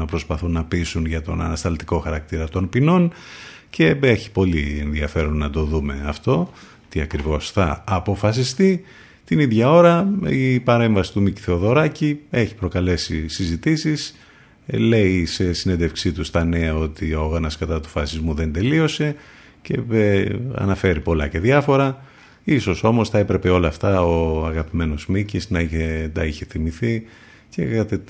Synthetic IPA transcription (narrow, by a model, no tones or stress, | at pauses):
ɐpɾo̞spɐθunːɐpisunʝɐt̪o̞̰nɐ̰nɐst̪ɐlt̪iko̞xɐɾɐk̚t̪iɾɐt̪o̞npino̞n | ce̞eçi̥po̞lie̞nðiɐfe̞ɾonːɐd̪o̞ðume̞ɐft̪o̞ | t̪iɐkɾivo̞sθɐːpo̞fɐsist̪i | t̪iniðʝɐo̞ɾɐipɐɾe̞ɱvɐsi̥t̪umici̥θeoðo̞ɾɐcie̞çi̥pɾo̞kɐle̞sisizit̪isis | le̞ise̞sine̞nd̪efksit̪ust̪ɐne̞ɐo̞t̪iooɣɐnɐskɐt̪ɐt̪u̥fɐsizmuðe̞nd̪e̞lio̞se̞ | ce̞eɐ̰nɐfe̞ɾipo̞lɐce̞ðʝɐfo̞ɾɐ | iso̞so̞mo̞st̪ɐe̞pɾe̞pe̞o̞lɐft̪ɐoɐɣɐpime̞no̞zmicisnɐiçet̪ɐiçe̞θimiθi | cekɐt̪e